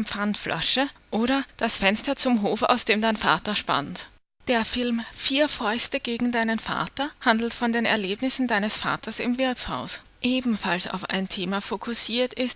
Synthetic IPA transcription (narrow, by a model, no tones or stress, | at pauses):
pp͡fantflʔa̰ʃəʔoːɾɐd̥asfɛnstɐt͡sʊmɦoːfa̰ʊsd̥eːmdaɪnfa̰ːtɐʃpa̰nt | d̥eːɐfɪlmfiːɐfɔʏstəɡ̥eːɡŋ̩daɪnənfa̰ːɐtɐhandl̩tfɔndeːnɛ̰ɐleːbnɪsn̩daɪnəsfa̰ːtʰɐsɪ̰mvɪɐt͡shaʊs | ʔeːbm̩falsa̰ʊfa̰ɪntʰeːmafokʰʊsiːɐtɪst